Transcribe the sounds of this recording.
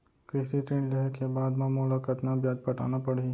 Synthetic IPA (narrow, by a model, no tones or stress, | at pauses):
kɾɪsiʈɾẽːɳɖlɐɦəkːebaːd̪maːmoːləkɐt̪nabjaːd͡ʒpɐʈa̰ːnapɐɽi